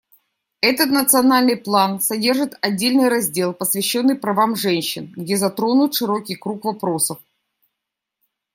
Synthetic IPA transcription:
ɛt̪ət̪nət̪sɨɐnalʲnɨjplˠansɐdʲe̞rʐɨt̪ɐdʲːelʲnɨjɾɐzʲdʲe̞lˠpəsvʲɪɕːo̞nːɨjpɾɐvamʐɛnʲɕːɪnɡdʲezɐt̪ɾo̞nʊt̪ʂɨɾo̞kʲɪjkɾukvɐpɾo̞səf

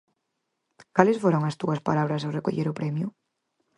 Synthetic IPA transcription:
kalesfoɾoŋast̪uaspalaβɾasawreko̰ʎeɾʊpɾɛmjʊ

